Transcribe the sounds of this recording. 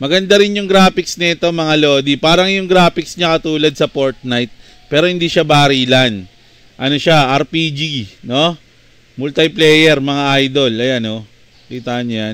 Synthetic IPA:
mɐɡɐnd̪aɾɪnjʊŋɡɾaːpɪksnɐɪt̪o̞mɐŋalo̞ːd̪ipaːɾɐŋjʊŋɡɾaːpɪksɲɐkɐt̪uːlɐd̪̚sɐpoɹt̪̚najt̪̚ | pɛːɾo̞hɪnd̪iːʃabaːɾiːlan | ʔɐno̞ʃaʔɐɾpiːd͡ʒino̞ | mʊlt̪ɐplɛːjɛɾmɐŋaʔajd̪o̞lɐjano | t̪iːt̪anjan

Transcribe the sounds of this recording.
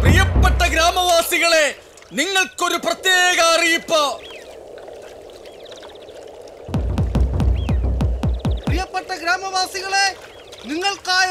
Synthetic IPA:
prijɐpːeʈːɐɡɾaːmɐʋaːsiɣɐɭe̞ | niŋːɐɭko̞ɾuprɐt̪jeːɣɐːrijupːɐ | prijɐpːeʈːɐɡɾaːmɐʋaːsiɣɐɭe̞ | niŋːɐɭkaːj

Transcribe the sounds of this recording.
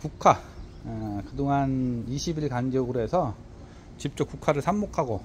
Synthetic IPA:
kukʰa | kɯdoŋaniɕʰibiɭkanɡʌɡɯɾoɦesʰʌ | t͡ɕip̚t͡ɕ͈ok͈ukʰaɾɯɭsʰammokʰaɡo

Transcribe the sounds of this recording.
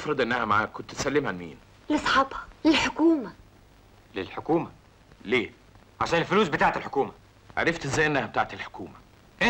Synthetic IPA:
fɾˤɑd̪ˤʔenːæhæmaʕaːkːont̪t̪sælːemʕalmiːn | lesˤħɑbhɑlɪlħokuːmæ | lelħokuːmæ | leː | ʕaʃæːnelfʊluːs̬bet̪aʕet̪elħokuːmæ | ʕa̰ɾˤeft̪ezːæːjʔenːæhæb̚t̪aːʕt̪elħo̥kuːmæ | ʔe

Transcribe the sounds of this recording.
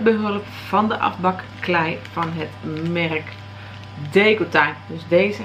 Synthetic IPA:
bəɦɵlˠəp | fɑndəʔɑ̰fbɑkːlɛjv̥ɑnɦətmɛrk | deːɡotadøsdeːzə

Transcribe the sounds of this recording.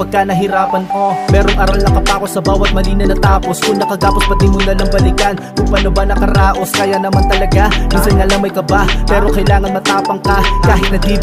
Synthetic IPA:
pɐɡ̚kanɐɦɪɾaːpɐnko̞mɛːɾo̞ŋʔɐɾalnɐkɐpaːko̞sɐbaːwɐt̪̚mɐliːnɐnɐt̪aːpo̞skʊŋnɐkɐɡaːpospɐt̪ɪmʊnɐlɐŋbɐlikɐnkʊmpanobanɐkɐɾaːʔo̞skɐjanɐmant̪ɐlɐɡaminsɐnŋɐlaŋmɐjkɐbapɛːɾo̞kɐjlaːŋɐnmɐt̪aːpɐŋkɐkaːɦɪt̪̚nɐɡ̚d̪iː

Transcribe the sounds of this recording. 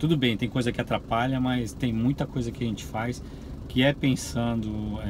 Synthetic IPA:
t̪ud̪ʊbẽj̃t̪ẽj̃kojzɐkɪat̪ɾapaʎɐmɐjst̪ẽj̃mũj̃t̪ɐkojzɐkɪaʒẽnt͡ʃɪ̥fajs | kɪɛpẽsɐ̃d̪ʊɛ

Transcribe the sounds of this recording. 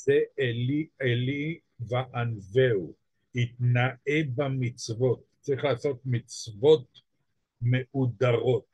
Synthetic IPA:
zeʔelieli | veʔanvew | it̪naʔebamit͡svo̞t̪ː | t͡sʁiχlaːso̞t̪mit͡svo̞t̪ | meʔud̪aʁo̞t̪̚

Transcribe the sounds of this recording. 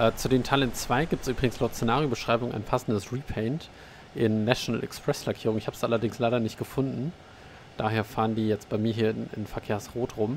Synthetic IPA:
ʔɛːt͡sudeːntʰalənt͡sv̥aɪɡiːptsʔyːbʁɪɡŋ̩slaʊtt͡senaːʁjobəʃʁ̥aɪbʊŋʔa̰ɪnpʰasn̩dəsʁiːpʰɛɪnt | ʔɪnːaʃona̰lʔɛ̰kspʁ̥ɛslakʰiːʁʊŋɪçhaːbəsʔalɐdɪŋslaɪɾɐnɪçt̚ɡ̥əfʊndn̩ | d̥aːɦeːɐfaːʁəndiːjɛt͡st̚b̥aɪmiːɐɦiːɐɪɪ̰nfɛɐkʰeːɐsʁoːtʁʊm

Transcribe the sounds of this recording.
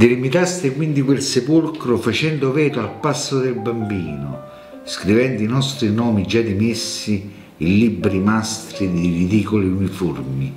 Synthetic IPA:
d̪elimit̪ast̪ɪkwind̪ikwelsepulkɾofat͡ʃɛnd̪ovɛːt̪oalpasːod̪elbambiːnʊ̰ | skɾivɛnd̪inɔst̪ɾinɔːmid͡ʒad̪imesːiː | libɾimast̪ɾid̪iɾid̪iːkoliuniformi

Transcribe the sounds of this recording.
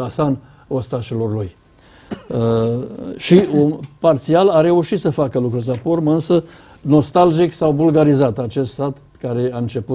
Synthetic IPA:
asan | ost̪aʃilorluj | ʃiupart̪sialaɾe̞uʃit̪səfakəlukɾurʲs̬aporməɨnsə | no̞st̪ald͡ʒiksawbulɡaɾizat̪at͡ʃe̞st̪sat̪ | kaɾe̞aɨnt͡ʃe̞pu

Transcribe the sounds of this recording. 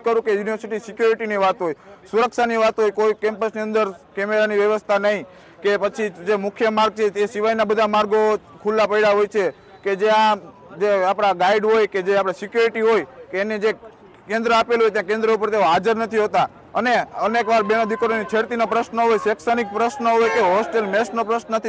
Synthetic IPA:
kəɾũkejuniʋəɾsiʈisɪkjuɾiʈiniʋat̪ɦojsuɾəkʃaniʋat̪ɦojkoikɛmpəsniənd̪əɾkemeɾaniʋjəʋəst̪ʰanəɦĩ | kepət͡ʃʰid͡ʒemʊkʰjəmaɾɡ̚t͡ʃʰet̪esiʋajnabəd̪ʱamaɾɡo | kʰulːapəiɽaɦojt͡ʃʰe | ked͡ʒeã | d͡ʒeapɽ̃aɡaiɖɦojked͡ʒeapɽ̃asɪkjuɾiʈiɦojkeːned͡ʒe | kẽnd̪ɾəapelɦojt̪jãkẽnd̪ɾəupəɾt̪eoɦad͡ʒəɾnət̪ʰiɦot̪a | əneənekʋaɾbenod̪ʱikɾonit͡ʃʰeɽt̪inopɾəʃnəɦojseksənik̚pɾəsnəɦojkeɦɔsʈelmɛsnopɾəsnənət̪ʰi

